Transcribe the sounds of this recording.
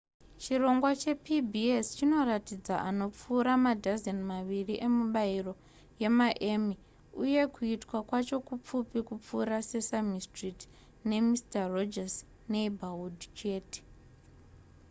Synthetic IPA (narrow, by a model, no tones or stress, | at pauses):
t͡ʃiro̞ŋɡwat͡ʃe̞pibʱiest͡ʃino̞ratid͡zaʔano̞p͡fuːɾamadʱazenmaʋiriʔe̞muɓairo̞ | je̞maʔemi | uje̞kuitwakwat͡ʃo̞kup͡fupikup͡fuːɾase̞samistrit | ne̞mistarod͡ʒas | neibʱawudʱt͡ʃe̞ːte̥